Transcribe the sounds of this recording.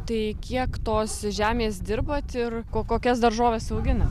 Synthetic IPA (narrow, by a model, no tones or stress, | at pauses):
t̪ɐɪkʲiɛkt̪oːsʒʲæːmʲeːsd̪ʲɪrbɐt̪ɪrkoːkoːkʲɛsd̪ɐrʒoːʋʲeːsɐʊɡʲɪnɐ